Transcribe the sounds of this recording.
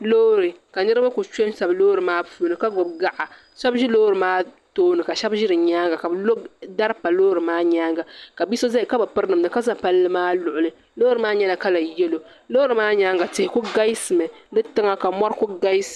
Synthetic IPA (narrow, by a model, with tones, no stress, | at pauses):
loː˦ɾɨ˨ka˨nɨ˦ɾɨ˦ma˦ku˨t͡ʃe˦nsa˨bloː˦ɾɨ˨maː˦puː˦˨nɨ˨ka˦ɡʊ˨bɡa˦ʔa˨ | ʃɛ˦bʒi˦loː˦ɾɨ˨maː˦toː˦nɨ˨ka˨ʃɛ˦bʒɪ˦ɾɨ˨ɲaː˦ŋɡa˨ka˨blo˦da˦ɾpa˨loː˦ɾɨ˨maː˦ɲaː˦ŋɡa˨ka˨bi˦so˦za˦i˨ka˦bɨ˨pɨ˦ɾnɨ˨mnɨ˨ka˦za˦pa˦lːɨ˦maː˦lʊ˨ʔʊ˨lɨ˦ | loː˦ɾɨ˨maː˦ɲɛ˦la˨ka˦la˨jɛ˦lo˨ | loː˦ɾɨ˨maː˦ɲaː˦ŋɡa˨tɪ˨hɪ˨ku˦ɡa˦jsɨ˨mɨ˨dɨ˦tɨ˦ŋa˨ka˨mɔ˦ɾku˦ɡa˦s